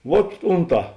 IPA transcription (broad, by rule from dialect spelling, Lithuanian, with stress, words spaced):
ʋuɔt ˈʊnˌtɑː